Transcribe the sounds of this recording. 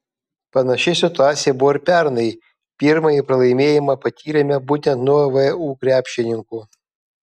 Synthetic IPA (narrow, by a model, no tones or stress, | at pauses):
pɐnɐʃʲɪsʲɪt̪ʊɑːt̪sʲɪjɛbʊʋɔɪɾpʲɛɾnɐɪ | pʲiːɾmɐjipɾɐlˠɐɪmʲeːjɪmɐpɐt̪ʲiːɾʲemʲɛbuːt̪ʲɛnt̪nuɔʋəuːkɾʲæːpʲʃʲɪnʲɪŋkuː